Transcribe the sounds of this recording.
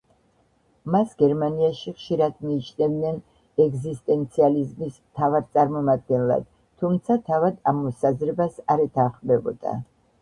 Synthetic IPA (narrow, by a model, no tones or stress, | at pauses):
masɡɛɾmaniaʃiχʃiɾad̪miːt͡ʃʰnɛvd̪nɛn | ɛɡzist̪ʼɛnt̪sʰializmis | t̪ʰavaɾt̪sʼaɾmɔmad̪̚ɡɛnlˠa̰d̪̥ | t̪ʰːumt̪sʰat̪ʰavad̪amːɔsazɾɛbasaɾɛt̪ʰaχmd̪ɛbɔ̰d̪̥a̰